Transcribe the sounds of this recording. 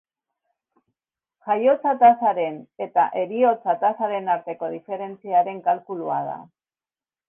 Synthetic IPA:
ʝajo̞t͡sat̪asaɾe̞ne̞t̪aʔe̞ɾio̞t͡sat̪asaɾe̞naɾt̪e̞ko̞ð̞ife̞ɾe̞nt͡siaɾe̞ŋkalkuluað̞a̰

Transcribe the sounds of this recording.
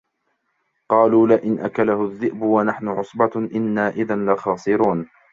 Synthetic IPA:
qɑːluːlaʔɪnʔakalahʊðːɪʔbʊwanaħnʊʕʊsˤbɑʔɪnːaːʔɪðanlɪxɑːsˤɨɾuːn

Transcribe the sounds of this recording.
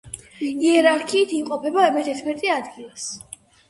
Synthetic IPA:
iɛɾaɾkʰiːt̪ʰimqʼɔpʰɛbaɛmɛt̪ʰɛt̪ʰmɛɾt̪ʼiad̪ɡilˠas

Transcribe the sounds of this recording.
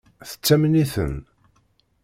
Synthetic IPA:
θə̥t͡sːæmniθə̰n

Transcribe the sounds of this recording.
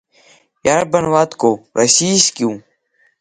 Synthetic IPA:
jaːɾbənʋaːt̪koːɾʔəsiːskjũː

